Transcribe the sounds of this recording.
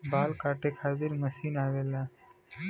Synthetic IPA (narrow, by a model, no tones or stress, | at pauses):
baːlkaːʈekʰaːt̪ɪɾmɐsiːnaːɡeːlaː